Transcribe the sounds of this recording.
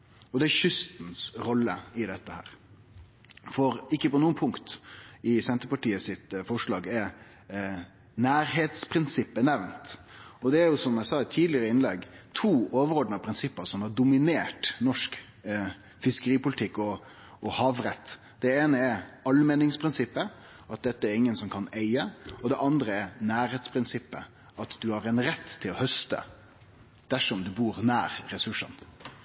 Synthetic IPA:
ɔd̪ɛæçʏst̪nsɾɔlːə̰ɪd̪ɛt̪ːəhæ̰ːɾ | fɔɾɪkːəpɔnuːnpʰʊŋkt̪ɪsɛnt̪əɾpɑʈiːəsɪt̪fɔʂɭɑːɡɛɾ | næːɾɦeːt̪spʰɾɪnsɪpːənɛʋnt̪ɔd̪ɛæɾjʊsɔmæɪsɑːɪt̪ʰiːdlɪəɾəɪnlɛ̰ɡt̪ʰuːoːʋəɾɔd̪ənɑpʰɾɪnsɪpːəsɔmhɑd̪ʊmɪneːʈnɔʂk | fɪskəɾiːpʊlɪt̪ʰɪkːɔ | ɔhɑːʋɾɛt̪ː | d̪̥ɛeːnəɛɾɑlmɛnɪŋspʰɾɪnsɪpːə | ɑt̪̚d̪ɛt̪ːəɛɾɪŋːənsɔmkʰɑneɪəɔd̪ɛʔɑnd̪ɾəɛɾnæːɾheːt̪spʰɾɪnsɪpːə̰ | ʔɑt̪d̪ʉhɑɾɛnɾɛt̪ːʰɪlɔhœst̪ə̰ | d̪̥æʂɔmd̪ʉbuːɾnæːɾːɛsʉʂə̰n

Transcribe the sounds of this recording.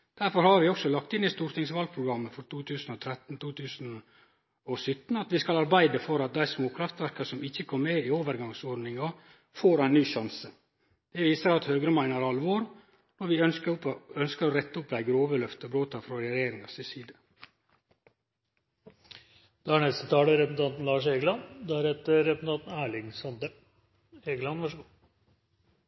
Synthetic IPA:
d̪̥æɾfɔɾhɑɾʋɪɔksɔlɑkt̪ɪnɪst̪uːɾt̪ɪŋsʋɑl̚pʰɾʊɡɾɑmːəfɔɾt̪ʰuːt̪ʰʉːsn̩ɔt̪ʰɾɛt̪n̩t̪ʰuːt̪ʰʉːsn̩ | ɔsʏt̪n̩ɑt̪ʋɪskɑlɑɾbæɪd̪əfɔɾɑt̪̚d̪æɪsmoːkʰɾɑft̪ʋæɾkɑsɔmɪçːəkʰɔmmeɪoːʋəɾɡɑŋsɔɖnɪŋɑ | foːɾæɪnyːʃɑnsə | d̪̥ɛʋiːsəɾɑt̪høːɡɾəmæɪnəɾɑlʋoːɾ | nɔɾʋɪœ | œnskəɾoːɾɛt̪ːəʊplæɡəɾoːʋəlœft̪əbɾoːt̪ʰɑfɾɑd̪ɛɾɛjeːɾɪŋɑsɪsiːd̪ə | d̪̥ɛæɳɛst̪ət̪ʰɑːləɾɛpsn̩t̪ɑnt̪n̩lɑːʂeːɡəlɑnd̪æɾɛt̪ːəɛps̩ɑnt̪n̩æːɭɪŋsɑnd̪ə | eːɡlɑnʋɑʂəɡ

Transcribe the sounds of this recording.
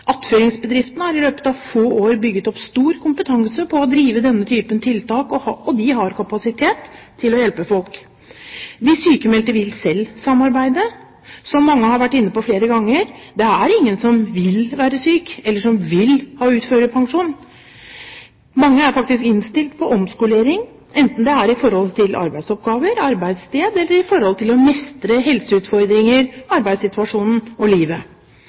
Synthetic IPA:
ʔɑt̪føːɾɪŋsbəd̪ɾɪft̪ənəhɑɾɪløːpə̥t̪ɑʋfoːoːɾbʏɡːət̪ɔpst̪uːɾkʰʊmpət̪ʰɑŋsəpʰɔɔd̪ɾiːʋəd̪ɛnːət̪ʰyːpənt̪ʰɪlt̪ɑːkɔhɑɔd̪ɪɦɑɾkʰɑpɑsɪt̪ʰeːt̪ʰːɪlɔjɛlpəfɔlk | d̪ɪsyːkəmɛlt̪əɾʋɪlsɛlːsɑmːɑɾbæɪd̪ə | sɔmːɑŋːəhɑɾʋæʈːɪnːəpɔfleːɾəɡɑŋːəɾd̪ɛæɾɪŋːənsɔmʋɪlʋæːɾəsyːkɛlːəʂɔmʋɪlhɑːʉːt̪føːɾəpʰɑŋʂuːn | mɑŋːəæɾfɑk̚t̪ɪskɪnst̪ɪlt̪pʰɔʔɔmskʊleːɾɪŋ | ɛnt̪n̩d̪ɛæɾɪfɔɾhɔlt̪ʰɪlʔɑ̰ɾbæɪsɔp̚ɡɑːʋəɾɑɾbæɪd̪st̪eːd̪ɛlːəɾɪfɔɾhɔlt̪ʰɪlɔmɛst̪ɾəɦɛlsəʉːt̪fɔɾd̪ɾɪŋəɾɑɾbæɪd̪sɪt̪ʉɑʂuːnn̩ɔliːʋə

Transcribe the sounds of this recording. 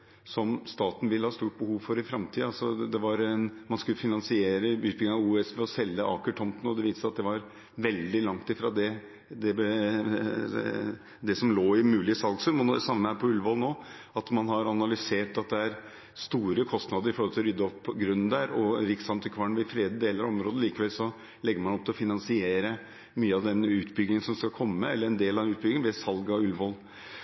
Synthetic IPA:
sɔmst̪ɑːt̪n̩ʋɪlːəhɑːst̪uːʈ̚bəhuːʋfɔɾɪfɾɑmt̪ʰiːəɑlsɔd̪ɛʋɑɾɛnmɑnskʉlːəfɪnɑnsɪeːɾəʉːt̪̚bɪŋəŋɑuːɛsʋɛɔsɛlːəʔɑ̰ːkəʈʰɔmt̪n̩ɔd̪ɛʋiːsəsɑt̪̚d̪ɛʋɑɾ | ʋɛld̪ɪlɑŋt̪ɪfɾɑd̪ɛ | d̪ɛb | d̪ɛsɔmloːɪmʉːlɪəsɑlɡsʉnmɛnd̪ɛsɑmːəmhæpʰɔʉlʋɔlnoː | ɑt̪mɑnhɑɾɑnɑlʏseːʈɑt̪̚d̪ɛæɾ | st̪uːɾəkʰɔst̪nɑd̪əɾɪfɔɾhɔlt̪ʰɪlɔɾʏd̪ːəɔpːɡɾʉnːnd̪æɾɔɾɪksɑmt̪ʰɪkʰʋɑɳʋɪfɾeːd̪d̪eːləɾɔmɾoːd̪əliːkəʋɛlsɔ | lɛɡːəɾmɑnɔp̚t̪ɪɔfɪnɑnsɪeːɾə | myːəɑʋd̪ɛnʉːt̪bʏɡnɪŋənsɔmskɑkʰɔmːəːəɛlːəɾɛnd̪eːlɑdɛʉːt̪bʏɡɪənʋɛsɑlɡɑɔʉlʋɔl

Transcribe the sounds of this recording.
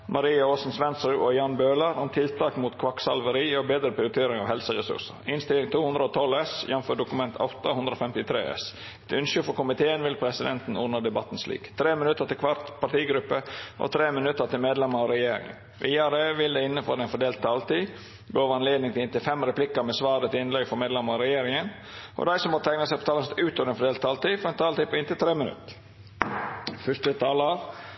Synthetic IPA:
mʔɑɾiːɑoːsn̩sʋɛnsɾʉʔɔjɑnbøːlɑɾʊmt̪ʰɪlt̪ʰɑːkmuːt̪kʰʋɑksɑlʋəɾiːɔbeːd̪ɾəpʰɾɪʊt̪ʰeːɾɪŋɑʋhɛlsəɾɛsʉ̰ɾsə̰ɾɪnst̪ɪlɪŋt̪uːhʉnd̪ɾəɔt̪ʰɔlɛsjɛnføːɖʊkʉmɛnt̪ʰɑ̰t̪ɑhʉnd̪ɾəɔfɛmt̪ɪt̪ʰɾḛːɛ̰s | ɛt̪ʉnʃʉfɔɾkʊmɪt̪ʰeːənʋɪlpʰɾɛsɪd̪ɛnt̪n̩ɔɾnɑd̪ɛbɑt̪ːn̩slḭːkt̪ʰɾeːmɪnʉt̪ːəɾt̪ɪlkʰʋɑɾt̪pɑʈiːɡɾʉpːəʔɔ̰t̪ʰɾeːmənʉt̪ːəɾt̪ɪlmeːd̪lɛmɑɑɾɛjeːɾɪ̰ŋə̰n | ʋʔiːɑɾəʋɪld̪ɛɪnːəfɔɾɛɪnfɔɖ̪eːlt̪̚t̪ʰːɑːlt̪iː | ɡoːʋɑnleːd̪nɪŋt̪ɪlɪnt̪ɪlfɛmɾɛplɪkəmɛsʋɑːɾət̪ɪɪnlɛɡfɔmeːd̪lɛmɑɑɾɛjeːɾɪŋən | ʔɔ̰d̪æɪsɔmːɔt̪ʰæɪŋnəsæɪpʰɔ̥t̪ɑːlɑnsɛt̪ʉːt̪ɔʋɾɛnfɔɖeːlt̪ʰːɑːlt̪iːfɔɾɛnt̪ʰɑːlt̪iːpɔɪnt̪ɪt̪ʰɾeːmənʉ̰t̪ː | fʏɾt̪ət̪ʰɑːləɑɾ

